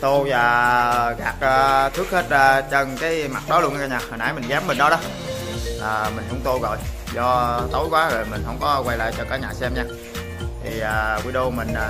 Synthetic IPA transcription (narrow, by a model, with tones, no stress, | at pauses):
t̪o˧zaː˨˩ɣaː˨˩k̚ʔəː˧˩t̪ʰɨ˦˥k̚he˦˥t̚aː˧t͡ɕə˧nkaː˨˦jma˨˩t̚ɗɔ˨˦lu˧ən˧kaː˧ɲaː˨˩həː˨˩na̰ː˧˩jmi˨˩ŋ̟zaː˨˦mːï˨˩ŋ̟ɗɔ˨˦ɗɔ˨˦ | ʔəː˨˩mï˨˩ŋ̟hə˧wŋ͡mt̪o˧ɣɔ̰˧˨j | zɔ˧t̪ə˨˦wjkwaː˨˦zo˨˩jmï˨˩ŋ̟hə̰˧wŋ͡mkɔ˨˦kwa˧jla̰ː˧˨jt͡ɕɔ˧kaː˧˩ɲaː˨˩sɛ˧mɲaː˧ | t̪ʰi˨˩əː˨˩kwi˧ɗo˧mï˨˩ŋ̟ʔə˨˩